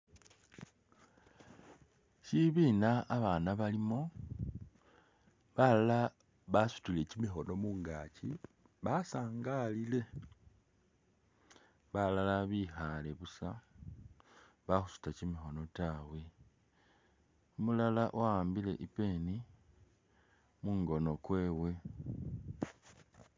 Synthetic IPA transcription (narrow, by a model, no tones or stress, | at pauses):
ciβiːnaːβaːnaβalimo | βalala | βasu̥tile̞cimixo̞no̞muːŋɡaːci | βasaːŋɡalile̞ | βalalaβiːxale̞βusa | βaxusu̥tacimixo̞no̞taːwe̞ | omulalaʔowaːmbile̞̰ʔipe̞ːni | muːŋɡo̞no̞kwe̞ːwe̞